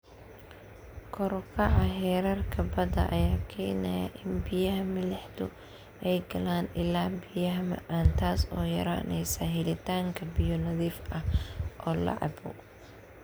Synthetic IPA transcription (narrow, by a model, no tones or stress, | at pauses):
kʰɔɾkʰɐʕɑɦɛːɾɐrkʰɐbɐd̪ɐ̰ʔɐ̰jaːkʰɛjnɐjɐ̰ʔɪnbɪjɐɦɐmɪlɪħd̪ʊ | ʔɛjɡɐlaːnɪlaːbɪjɐɦɐmɐ̰ʔaːnt̪ʰaːsɔːjɐ̰ɾa̰ːnɛ̰jsɐɦɪlɪt̪ʰaːŋkʰɐbɪjʊnɐðiːfʔɐhʔɔːlɐ̰ʕɑ̰bɔ̰